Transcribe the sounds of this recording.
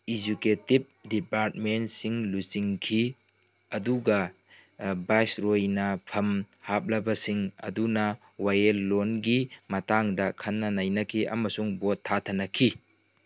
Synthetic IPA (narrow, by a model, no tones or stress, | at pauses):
id͡ʒuketib̚dipaɾt̚mentsiŋlusiŋkʰi | ɐduɡɐ | bajsɾojnɐpʰɐm | hap̚lɐbɐsiŋɐ̰dunɐ | wajelːonɡimɐtaŋdɐkʰɐnːɐnajnɐkʰiʔɐ̰mɐsuŋbotʰːatʰɐnɐkʰi